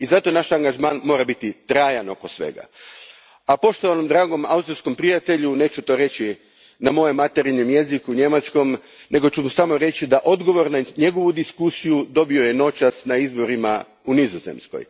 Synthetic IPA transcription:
izat̪o̞naʃaŋɡaʒmaːnmo̞ːɾabit̪it̪ɾaːjano̞kosʋe̞̰ɡa̰ | apo̞ʃt̪oʋanomd̪ɾaːɡo̞ma̰wst̪ɾiɾsko̞mpɾijat̪e̞ʎune̞ːt͡ʃut̪o̞ːɾe̞t͡ɕi | namo̞jemat̪eɾiɲomje̞zikuɲe̞mat͡ʃko̞m | ne̞ɡo̞t͡ɕumsamo̞ɾe̞t͡ɕid̪aʔo̞d̪ɡo̞ʋo̞ɾnaɲe̞ɡo̞ʋud̪iskusijud̪o̞bio̞je̞no̞t͡ʃasnaizbo̞ɾima̰ | unizozḛmsko̰j

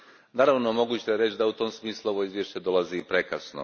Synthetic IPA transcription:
naːɾaʋnomo̞ɡuːt͡ɕt̪jeɾet͡ɕd̪aut̪o̞msmiːslˠuo̞ʋo̞izʋjeʃt͡ɕed̪o̞lazipɾe̞kasno̰

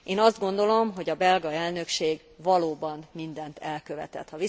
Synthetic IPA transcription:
ʔeːnɒzd̪̚ɡo̞nd̪o̞lo̞mɦo̞ɟɒbɛlɡɒɛlnø̞kʃeːɡ | vɒloːbɒnmind̪ɛnt̪ʰɛlkø̞vɛ̰t̪ɛ̰t̪hɒvi

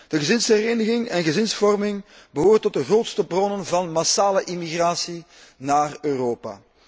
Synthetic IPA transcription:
d̥əɣəzɪnsɦɛɾeːnəɣɪŋɛnɣəzɪnsfɔrmɪŋbəɦoːrtɔt̚dəɣroːtstəbrɔnənvɑnmasaːləʔimiɣraːsi | naːrøːroːpa̰ː

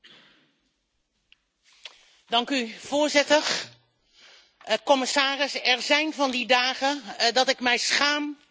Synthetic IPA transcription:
dɑŋkyv̥ʊːɹzɪtəɹ | kɔmɪsaːrɪsɛɹzɛjnvɑndidaːɣədɑtɪkmɛjsχaːm

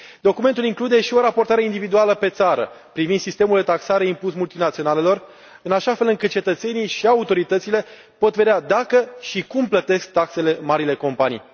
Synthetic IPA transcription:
d̪o̞kume̞nt̪uliŋklud̪e̞ʃio̞ɾapo̞rt̪aɾe̞ind̪ivid̪ualəpe̞t̪saɾə̰ | pɾivind̪sist̪e̞muld̪e̞t̪aksaɾe̞impusmult̪inat̪sio̞nale̞lo̞r | ɨnaʃafe̞lɨŋkɨt̪̚t͡ʃe̞t̪ət̪se̞nijʃiaut̪o̞ɾit̪ət̪sile̞ | po̞t̪ve̞d̪ad̪akəʃikumplət̪e̞sk̚t̪akse̞le̞maɾile̞ko̞mpanḭj

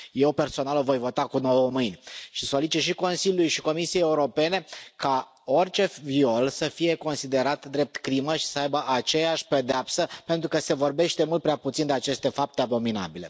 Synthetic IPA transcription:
je̞wpe̞rso̞nalovo̞jvo̞t̪akuno̞wəmɨjnʲʃisolit͡ʃit̪ʃ̬iko̞nsilʲjulujʃiko̞misijejeuɾo̞pe̞ne̞ka | o̞rt͡ʃe̞fvio̞lsəfije̞ko̞nsid̪e̞ɾat̪d̪ɾe̞p̚t̪kɾiməʃi̥səajbəʔat͡ʃe̞jaʃʲpe̞d̪eapsəpe̞nt̪ɾukəse̞vo̞rbe̞ʃt̪e̞mult̪̚pɾeaput̪sind̪e̞at͡ʃe̞st̪e̞fap̚t̪eabo̞mina̰bile̞̰

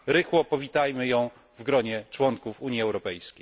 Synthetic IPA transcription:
ɾɘxwɔpɔvʲit̪ajmɘjɔ̃w̃ | vɡɾɔɲɛt͡ʂwɔŋkufuɲjiɛwɾɔpɛjskʲej

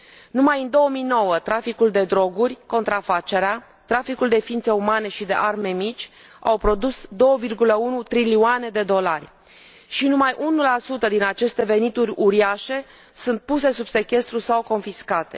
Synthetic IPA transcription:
numajɨnd̪o̞əmijno̞wət̪ɾafikuld̪e̞d̪ɾo̞ɡurʲko̞nt̪ɾafat͡ʃe̞ɾea | t̪ɾafikuld̪e̞fiint̪se̞umane̞ʃid̪e̞̰ʔarme̞mit͡ʃʲ | a̰wpɾo̞d̪usd̪o̞wəvirɡuləunut̪ɾiliuane̞d̪e̞d̪o̞larʲ | ʃinumajʔunulasut̪əd̪inat͡ʃe̞st̪e̞ve̞nit̪uɾʲuɾiaʃe̞ | sunt̪̚puse̞subse̞kʲe̞st̪ɾusawko̞nfiskat̪e̞

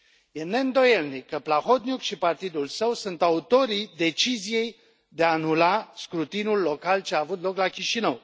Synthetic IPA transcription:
jene̞ɨnd̪o̞jelnikːəplaho̞t̪̚nʲjukʃipart̪id̪ulsəwsunt̪aut̪o̞ɾid̪e̞t͡ʃizije̞j | d̪eaːnulaskɾut̪inulːo̞kalt͡ʃeaːvut̪lo̞klakʲiʃinəw

